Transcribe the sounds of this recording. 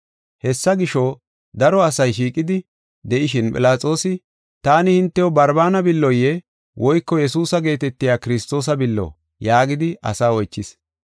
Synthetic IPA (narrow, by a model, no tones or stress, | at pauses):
hɛsːɐɡɪʃo | d̪ɐɾɔɐsɐjʃiːkʼːɪd̪ɪ | d̪ɛʔɪʃɪnpʼɪlaːt͡sʼo̞ːsɪ | t̪aːnɪhɪnt̪ːɛjɔbɐɾbaːnɐbɪlːɔjːɛ | wʔɔjkːɔjɛsuːsɐɡe̞ːt̪ɛt̪ːɪjaːkɪɾɪst̪o̞ːs̬ɐbɪlːɔ̰ | jaːɡɪd̪ɪʔɐ̰saːɔjt͡ʃːɪs